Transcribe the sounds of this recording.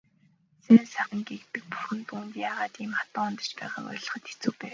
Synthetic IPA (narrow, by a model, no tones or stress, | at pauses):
sænsæːχə̆ŋɡekt̪ɘ̆k̚pu̥xɘ̆np̪unt̪jaːʁaːt̪iːmχat̪ɔːŋʊnt̪ə̆t͡ɕpæ̰ːʁa̰ːkɔ̰ːɮɞ̆χə̆t̪e̥t͡sŭːkpæː